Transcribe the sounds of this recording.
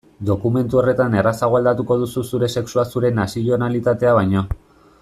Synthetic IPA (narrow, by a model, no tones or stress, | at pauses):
d̪o̞kume̞nt̪uo̞re̞t̪ane̞rasaɣoald̪at̪uko̞ðususuɾe̞se̞ksuasuɾe̞nasio̞nalit̪at̪e̞aβ̞ajɲo̞